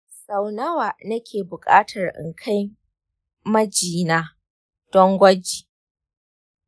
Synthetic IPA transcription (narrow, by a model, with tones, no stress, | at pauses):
sa˨wnɐ˦waː˨nɐ˦kʲʰeː˨bʊ˨kʼaː˦tʰɐ˨rʔɪ̰˨ŋkʰa˦j | mɐ˦d͡ʒiː˨naː˦ | d̥ɔ˦ŋɡʷɐ˦d͡ʒiː˨